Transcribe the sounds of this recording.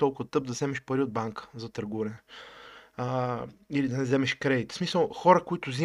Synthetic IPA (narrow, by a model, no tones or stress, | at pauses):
t̪ɔlˠkʊvɐt̪ɤp̚d̪ɐzɛmɛʃpɐɾiʊd̪̚baŋkə̥zɐt̪ɐɾɡuɾɛnɛ | ilid̪ɐnɛzɛmɛʃkɾɛd̪it̪smisəlˠxɔɾəkʊit̪ʊzi